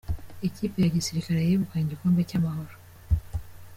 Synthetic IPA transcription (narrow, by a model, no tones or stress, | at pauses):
e̞cipe̞jaɟisiɾikaɾe̞jiβukeːɲɟikoːndecamaho̞ɾo